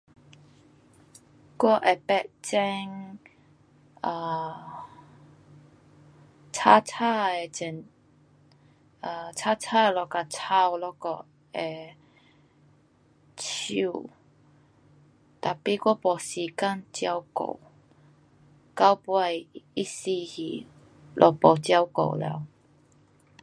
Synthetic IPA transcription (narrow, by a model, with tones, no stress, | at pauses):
kwɔ˥˧ʔɛ˨pɛ˧ʔt͡ɕɛ˧ŋ | a˧˩ | t͡sʰa˦t͡sʰa˥˧ɛ˨t͡ɕɛ˨˩n | a˧˩t͡sʰa˥t͡sʰa˥˨lɔ˧˩ka˧˩t͡sʰa˥˧wlɔ˧kɔ˧˩ | ɛ˨˩ | t͡ɕʰṵ˥˧˨ | t̪a˨pi˧˦kɔ˦pɔ˨˩si˨ka˥ŋt͡ɕja˧wko̰˨˩w | ka˦wpu˧a˧˩ji˦si˧hi˨˩ | lʔɔ˧˩pɔ˨˩t͡ɕja˧wko̰˨˩˨lɛ̰˧˨w